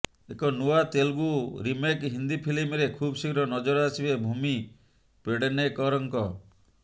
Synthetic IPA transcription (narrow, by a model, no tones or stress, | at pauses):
ekɔnuat̪elɡuɾimekɦind̪ipʰilimɾekʰubsikɾɔnɔd͡ʒɔɾɔasibebʱumi | peɽenekɔɾɔŋkɔ